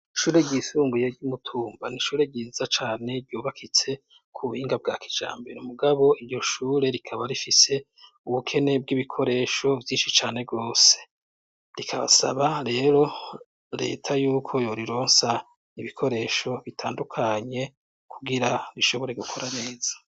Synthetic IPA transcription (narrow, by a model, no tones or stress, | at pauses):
ʃuːɾe̞ɟisuːmbujeɟumutʰuːmbaniʃuːɾe̞ɟiːzat͡ʃaːne̞ɾɟuːβakʰit͡se̞ | kʰuβuhiːŋɡabɡaːki̥d͡ʒa̰ːmbeɾomuɡaβo̞iɾɟo̞ʃuːɾe̞ɾikʰaβaɾifise̞ | uβukʰe̞ne̞b̚ɡiβikʰo̞ɾe̞ʃo̞vjiːnʃit͡ʃaːne̞bɡoːse | ɾikʰaβa̰sa̰βaɾe̞ːɾo̞ | ɾe̞̰ːtʰajuːkʰo̞jo̞ɾiɾo̞ːnsa | iβikʰo̞ɾe̞ːʃo̞βitʰaːndukʰaɲe̞ | kʰuɡiɾaɾiʃo̞βo̞ɾe̞ɡukʰo̞ɾane̞ːz̥ḁ